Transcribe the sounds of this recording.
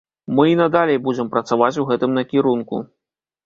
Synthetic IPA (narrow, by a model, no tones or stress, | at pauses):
mɨinɐd̪alʲejbud͡zʲɛmpɾɐt̪savat͡sʲuɣɛt̪ɨmnɐkʲiɾunkṵ